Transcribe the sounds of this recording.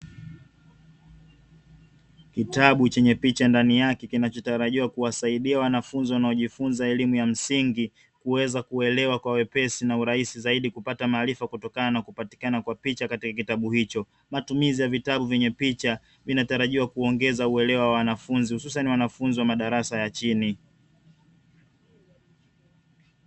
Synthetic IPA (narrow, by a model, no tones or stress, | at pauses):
kitaɓut͡ʃɛɲɛpit͡ʃandanijakɛkinat͡ʃɔtaɾaʄiwakuwasaiɗiawanafunziwanaɔʄifunzaɛlimujam̩siŋɡi | kuwɛzakuɛlɛwakwawɛpɛsinauɾaisizaiɗikupatamaːlifakutɔkananakupati̥kanakwapit͡ʃakatikakitaɓuhit͡ʃɔ | matumizijavitaɓuvɛɲɛpit͡ʃa | vinataɾaʄiwakuɔŋɡɛzauɛlɛwawawanafunzihususaniwanafunziwamaɗaɾasajat͡ʃini